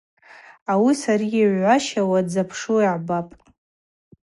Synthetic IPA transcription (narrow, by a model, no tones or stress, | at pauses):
awisaɾiiʕʷʕʷaʃawad͡zapʰʂuiʕbapʼ